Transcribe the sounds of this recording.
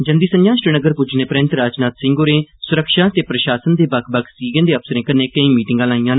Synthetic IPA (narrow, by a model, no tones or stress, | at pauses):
d͡ʒənd̪iːsənjãːʃʈənəɡəɾpʊd͡ʒnẽːpɾɪ̃nt̪ɾaːd͡ʒnaːt̪sɪ̃ŋɡoːɾẽːsʊɾəkʃaːt̪eːpɾəʃaːsənd̪eːbəkʰbəkʰsiːɡə̃nd̪eːəpsəɾẽːkəneːkəĩːmiːʈɪ̃ŋɡãːlaːĩːãːn